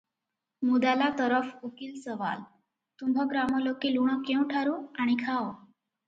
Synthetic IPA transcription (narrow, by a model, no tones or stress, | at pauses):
mud̪alat̪əɾəfukiːlsəʋa̰l | t̪umbʱɔɡɾamɔlokiːluɳ̃əkẽw̃ʈʰaɾuaɽ̃ikʰawo